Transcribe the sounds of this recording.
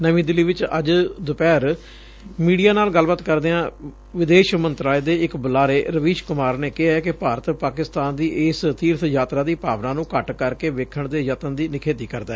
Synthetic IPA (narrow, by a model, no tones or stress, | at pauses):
nəʋĩːd̪ɪlːiːʋɪt͡ʃə̰d͡ʒd̪ʊpɛːɾ | miːɖijaːnaːlɡəlbaːt̪kəɾd̪eːãː | ʋɪd̪eːʃmənt̪ɾaːleːd̪eːɪkbəlaːɾeːɾəʋiːʃkʊmaːɾneːkɪɦaɛkɪpaːɾət̪paːkɪst̪aːnd̪iːʔeːst̪iːɾt̪ʰjaːt̪ɾaːd̪iːpaːʋnãːnũːkəʈkəɾkeːʋeːkʰəɳd̪eːjət̪ənd̪iːnɪkʰeːt̪iːkəɾd̪aːɛː